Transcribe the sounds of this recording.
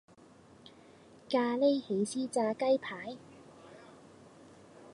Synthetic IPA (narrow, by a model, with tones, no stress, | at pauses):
kaː˧le˥jhe˨˥jsiː˥t͡saː˧kɐ˥jpʰaː˨˥j